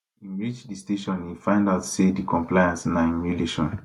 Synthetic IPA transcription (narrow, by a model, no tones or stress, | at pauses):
ĩnɹid͡ʒdisteʃɔ̃nifãɪ̃ndaʊtsedikɔ̃mplajãnsnaimuleʃɔ̰̃n